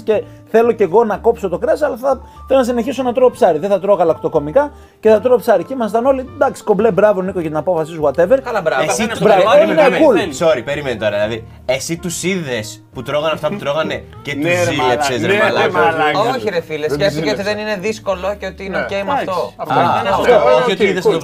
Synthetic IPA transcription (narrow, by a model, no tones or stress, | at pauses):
sce̞ | θe̞lo̞ce̞ɣo̞nɐko̞pso̞t̪o̞kɾesɐlɐθɐθelonɐs̬ine̞çisonɐt̪ɾoɣpsɐɾiðeθɐt̪ɾo̞ɣɐlɐkt̪o̞ko̞mikɐ | ce̞θɐt̪ɾoopsɐɾicimɐst̪ɐno̞lid̪ɐksi̥ko̞mblebɾɐvonikoʝɐt̪inɐpo̞fɐsizɣwɐt̪e̞veɾkɐlɐbɾɐvesibɾɐvenekulsoɾipe̞ɾimenit̪oɾɐðilɐði | esit̪usiðe̞s | put̪ɾo̞ɣɐnɐft̪ɐput̪ɾoɣɐne | cet̪usilessesɐlooçiɾefilesesieot̪iðenineðisko̞loceot̪iineocejmɐft̪oft̪ooçiot̪iiðes